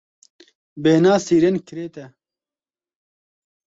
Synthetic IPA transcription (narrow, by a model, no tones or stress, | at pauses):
beːnaːsiːɾenkɪɾeːt̪ɛ